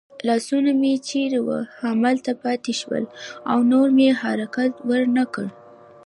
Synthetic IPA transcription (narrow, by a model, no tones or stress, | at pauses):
lɑsunamet͡ʃeɾewə̰hamalt̪apɑt̪eʃwə̰la̰wnoɾmeeɦaɾakat̪wəɾnakəɽ